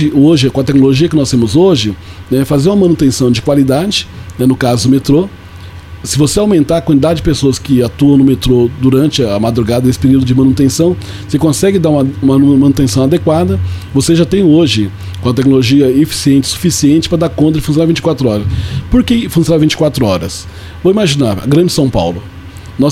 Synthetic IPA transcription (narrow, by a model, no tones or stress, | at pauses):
ɪoʒɪkõɐt̪ɛknoloʒiɐkɪnɔst̪ẽmʊzoʒɪnɛfazeɾũɐmɐ̃nut̪ẽsɐ̃w̃d͡ʒɪkwalid̪ad͡ʒɪnɛnʊkazʊd̪ʊmet̪ɾo | sɪvoseawmẽnt̪aɾɐkwɐ̃nt͡ʃid̪ad͡ʒɪd͡ʒɪpesoɐskɪat̪uɐ̃w̃nʊmet̪ɾod̪uɾɐ̃nt͡ʃɪɐmad̪ɾuɡad̪ɐesɪ̥peɾiuwd̪ʊd͡ʒɪmɐ̃nut̪ẽsɐ̃w̃ | vo̥sekõsɛɡɪd̪aɾũmɐũmɐmɐ̃nut̪ẽsɐ̃w̃ad̪ekwad̪ɐvoseʒat̪ẽj̃oʒɪ | ũmɐt̪ɛknoloʒiɐefi̥siẽnt͡ʃɪ̥su̥fisiẽnt͡ʃɪ̥pɾɐd̪aɾkõnt̪̬ɾɐifũsjonavĩnt͡ʃɪ̥kwat̪ɾʊɔɾɐspoɾkefũsjõnavĩnt͡ʃɪ̥kwat̪ɾʊɔɾɐs | vowimaʒinaɾ̰ɡɾɐ̃d͡ʒɪsɐ̃w̃pa̰wlʊ | nɔ